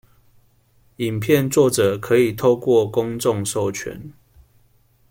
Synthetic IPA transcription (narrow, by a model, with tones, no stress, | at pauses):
i˨˩mpʰjɛ˥˨nt͡swɔ˥˨ʈ͡ʂɤ˨˩kʰɤ˨˦i˨˩t̪ʰo˥˧ʊkwɔ˥˨kʊ˦ŋt͡sɔ˥˨ŋso˥˨ʊt͡ɕʰɥɛ̰˨˦n